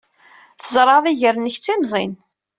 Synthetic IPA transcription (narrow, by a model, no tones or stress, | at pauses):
θəzˤɾˤɑðˤiʝəɾnəçt͡sːimzˤḭn